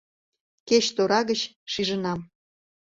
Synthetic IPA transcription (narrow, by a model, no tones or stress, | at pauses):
ket͡ɕt̪oɾɑɣət͡ɕ | ʃiʒənɑm